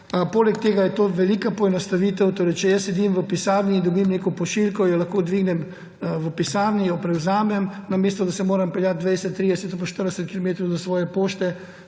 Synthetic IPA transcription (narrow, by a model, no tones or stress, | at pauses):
poːlɛk̚t̪eːɡajɛt̪oːʋɛliːkapɔɛnɐst̪aʋiːt̪ɛwt̪oːɾɛjt͡ʃɛjəsːɛd̪imʋəpisaːɾniind̪ubimneːkɔpɔʃilkɔjɔlɐxkoːd̪ʋiːɡnɛm | ʋəpisaːɾnijɔpɾɛwzaːmɛmnameːst̪ɔd̪asɛmoːɾɐmpɛljat̪̚d̪ʋɛjsɛt̪ːɾid̪ɛsɛt̪apɐʃt̪əɾd̪ɛsɛt̪̚kilɔmeːt̪ɾɔwzɐsʋɔːjɛpoːʃt̪ɛ